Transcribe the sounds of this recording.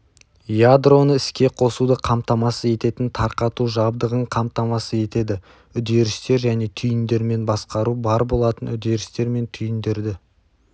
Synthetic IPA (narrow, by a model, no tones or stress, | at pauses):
jad̪ro̞nəɪskʲe̞qʰo̞sud̪əqʰɑmt̪ɑmɑsəe̞t̪e̞t̪ɪnt̪ʰɑɾqɑt̪uʒɑbd̪əʁəɴqʰɑmt̪ɑmɑsəe̞t̪e̞d̪ɪ | ʏd̪e̞ɾɪst̪e̞ɾʒæne̞t̪ʰʏjɪnd̪e̞ɾme̞nbɑsqɑɾubɑɾbo̞lˠɑt̪ənʏd̪e̞ɾɪst̪e̞ɾme̞nt̪ʰʏjɪnd̪e̞ɾd̪ɪ